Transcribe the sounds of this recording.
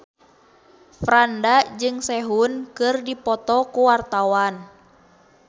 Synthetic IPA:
fɾandad͡ʒɨŋsɛɦunkɨrdipɔt̪ɔkuwart̪awan

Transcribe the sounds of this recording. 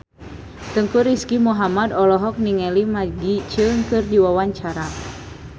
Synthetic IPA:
t̪əŋkuɾiskimuɦamadɔlɔɦɔk̚niŋɛlimaɡit͡ʃɨŋkɨrdiwawaɲt͡ʃaɾa

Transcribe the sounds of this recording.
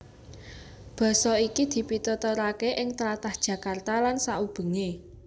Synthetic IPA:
b̥ɔ̤sɔikid̪̥i̤pit̪ɔt̪ɔɾakeʔɪŋt̪əɾat̪ahd̥ʒ̥a̤kart̪alansaub̥ə̤ŋe

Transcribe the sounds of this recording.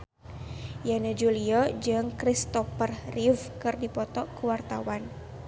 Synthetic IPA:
janad͡ʒuliɔd͡ʒɨŋkɾist̪ɔfərrifkɨrdipɔt̪ɔkəwart̪awan

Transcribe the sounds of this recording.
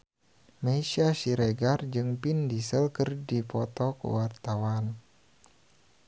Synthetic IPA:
meiʃiaʃiɾeɡard͡ʒɨŋpindisəlkərdipɔt̪ɔkə̰wart̪awan

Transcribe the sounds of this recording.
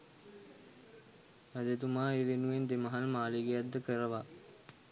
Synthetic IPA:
æd̪et̪umaːeːʋenuʋend̪eməɦalmaːleɡejad̪d̪əkəɾəʋa

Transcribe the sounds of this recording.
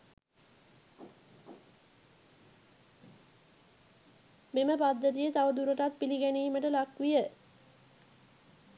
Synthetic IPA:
meməpad̪ːət̪̬ijət̪aʋəd̪uɾəʈat̪̚piliɡæniːməʈəlakʋijə

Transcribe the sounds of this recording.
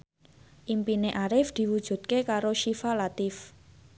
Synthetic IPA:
ʔimpineʔaɾɪfd̪̥i̤wud̥ʒ̥ṳd̪̚kekaɾoʃifalat̪ɪf

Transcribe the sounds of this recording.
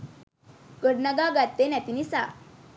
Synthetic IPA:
kəɽnaɡaɡat̪ːenat̪inisa̰

